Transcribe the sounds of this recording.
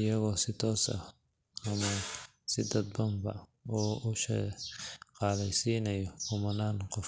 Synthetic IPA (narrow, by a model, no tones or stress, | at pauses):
ɪjɐɣɔːsɪt̪ʰɔːsɐ̰ | ɐmɐ | sɪd̪ɐd̪̚bɐmbɐ̰ | ɔːuʃɛ | qɑːlɛjsiːnɐjɔkʊmɐnaːnqɔf